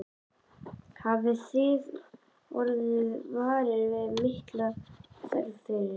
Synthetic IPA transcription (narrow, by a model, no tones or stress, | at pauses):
havɪsɪːð | ɔɾðɪðvaːɾɪɾvɪðmɪht̪lasɛ̰lθɪ